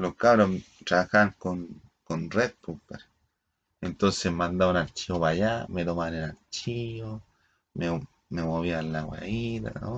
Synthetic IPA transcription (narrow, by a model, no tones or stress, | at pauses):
lokaβɾo | ʈ͡ʂɾaaxaŋkon | konret̪̚pupeɾ | ent̪onsemand̪aanalt͡ʃioβajamed̪omanenalt͡ʃio | me | memoβialawa̰iɾa̰o